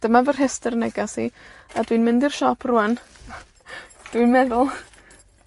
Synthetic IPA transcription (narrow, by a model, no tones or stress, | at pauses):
d̥əmavər̥ɦɛstərnɛɡasiadwinmɪndir̥ʃɔpʰruːan | d̥winmɛðʊlˠ